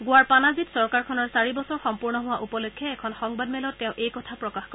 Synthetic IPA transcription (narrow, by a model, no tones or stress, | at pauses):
ɡʊwaɹpanazitsɔɹkaɹkʰɔnɔɹsaɹibɔsɔɹxɔmpuɹnɔɦʊwaʔupɔlokʰːɛɛkʰɔnxɔŋbadmɛlɔtːɛʊ̃ʔejkɔtʰapɹɔkaxko